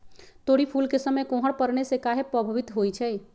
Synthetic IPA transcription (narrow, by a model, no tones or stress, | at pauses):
t̪oɽipʰulkesəməjkõɦəɽpəɾnesekaɦepɾəbʱəʋit̪ɦojt͡ʃʰɛj